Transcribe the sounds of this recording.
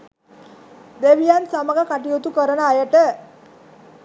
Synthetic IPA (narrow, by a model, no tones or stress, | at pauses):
d̪eʋijansaməɡakaʈijot̪ukəɾənəajəʈə